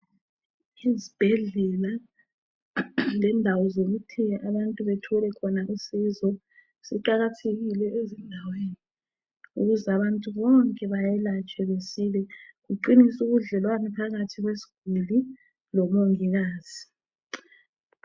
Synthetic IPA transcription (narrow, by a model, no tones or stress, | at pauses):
izib̥ʱɛɮɛla | lɛndʱawɔzoɣutʰiaβantʼuβetʰɔlɛkʰɔnaʔisizɔ | siǃaɣatʰeɣilɛezindʱaweːni | ṵɣuzɛaβantʼuβɔŋkʼɛβajɛlat͡ʃʼɛβesilɛɣuǃinisuɣuɮɛlwanɛpʰaɣatʰiɣwesi̥ɡ̥ʱuli | lɔmoŋiɣaːz̥i